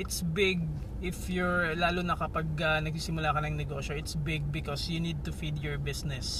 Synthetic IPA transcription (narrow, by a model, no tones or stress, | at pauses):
ʔɪt̪sbɪɡ̚ | ʔɪfjʊɹlaːlʊnɐkɐpɐɡ̚ɐnɐɡsiːsɪmʊlaːkɐnɐŋnɛɡoːʃoʔɪt̪sbɪɡ̚bɪkɔsjunid̪̚t̪ʊfid̪jɔɹbɪsnɛs